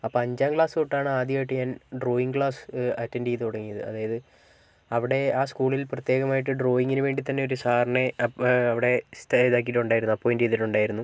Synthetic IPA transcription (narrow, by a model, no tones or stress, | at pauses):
ɐpːoɐɲd͡ʑaːmkɭaːsɨkoʈːaːɳɨaːd̪jaːjiʈ̬ːɨɲaːnɖro̞ːiŋɡkɭaːsɐtːɐndiːðit̪oɽɐŋːijɐðɨ̰ɐ̰ðaːjɐðɨ | ɐʋiɽe̞aːskuːɭilprɐt̪jeːɣɐmaːjʈːɨɖro̞ːiŋːɡinɨʋe̞ːɳɖit̪ɐnːe̞o̞ɾusaːrneɐɐʋiɽe̞t̪ːðaːk̬iʈːuɳɖaːjiɾunːuɐpːoːjindeiːðiʈːuɳɖaːjiɾunːu